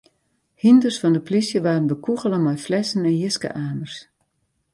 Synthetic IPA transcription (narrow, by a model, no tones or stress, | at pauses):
hindərsfɔndəplisjəʋaːrənbəkuɣələmɔjflɛsən̩ɛnjɪskə̰ʔaːmərs